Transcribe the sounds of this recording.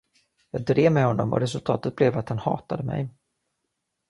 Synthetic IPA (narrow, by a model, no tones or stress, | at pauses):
jɑːɡ̚d̪ɾeːvmɛhɔnːɔmʔɔ̰ɾɛs̬ɵlt̪ʰɑːt̪ət̪̚blɛvat̪hanhɑ̰ːt̪ad̪əmɛ̰j